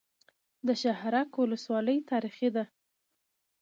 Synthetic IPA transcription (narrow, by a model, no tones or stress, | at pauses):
d̪əʃahɾɑkwʊləswɑləjt̪ɑɾixid̪a